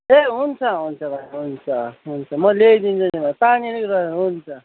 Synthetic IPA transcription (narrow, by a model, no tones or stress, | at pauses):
eɦunt͡sʰʌɦunt͡sʰʌbʱajɦunt͡sʰʌɦunt͡sʰʌmʌlejd̪int͡sʰunibʱajpaninikɾʌɦunt͡sʰʌ